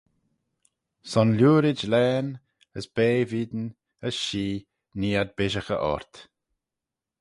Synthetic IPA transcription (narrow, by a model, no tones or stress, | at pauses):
sɔnlʲuːɾɪd͡ʒlɛːn | əsb̥eːviːd̪ən | əsʃiː | niːad̪̚bɪʃəxə̰ʔɔ̰ɹt̪